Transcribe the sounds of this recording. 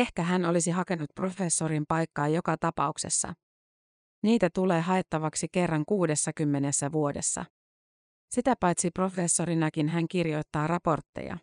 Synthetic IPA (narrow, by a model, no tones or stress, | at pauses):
e̞hkæɦæno̞lisiɦɑke̞nut̪̚pro̞fe̞sːoɾimpɑjkːɑːjo̞kɑt̪ɑpɑ̰ukse̞̰sːɑ̰ | niːt̪æt̪ule̞ːɦɑe̞t̪ːɑʋɑksike̞rːɑŋkuːde̞sːɑkymːe̞nesːæʋuo̞de̞sːɑ̰ | sit̪æpɑjt̪sipro̞fe̞sːo̞ɾinɑkinɦæŋkirjo̞jt̪ːɑːrɑpo̞rt̪ːḛjɑ̰